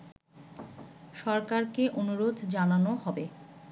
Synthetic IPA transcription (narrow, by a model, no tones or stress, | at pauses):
ʃɔɾkaɾkeʔonuɾod̪ʱd͡ʑananoɦɔbe